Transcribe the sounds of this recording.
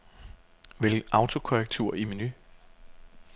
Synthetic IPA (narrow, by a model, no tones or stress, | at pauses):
ʋelɡ̥̩ɑ̈ʊt͡sʰo̝kʰoʁɛɡ̥̚t͡sʰṵːɐ̰iminy